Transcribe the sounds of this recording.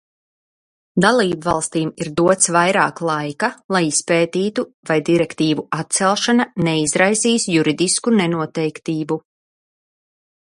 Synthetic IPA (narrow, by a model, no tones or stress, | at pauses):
d̪alˠiːbvalˠst̪iːmiɾd̪uɔt̪svajɾaːklˠajkalˠajispeːt̪iːt̪u | vajd̪iɾɛkt̪iːvuat̪̚t̪sɛlˠʃananɛizɾajziːsjuɾid̪iskunɛnuɔt̪ɛjkt̪iːbu